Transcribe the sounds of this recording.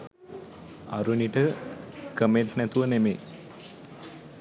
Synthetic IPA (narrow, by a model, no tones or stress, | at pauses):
a̰ɾuniʈəkəmeʈnæt̪uʋənemeː